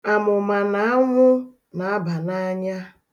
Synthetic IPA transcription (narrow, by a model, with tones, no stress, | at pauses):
a˨mʊ˨ma˨na˨a˦ŋʷʊ˦ | na˨a˦ba˨na˦ɲa˦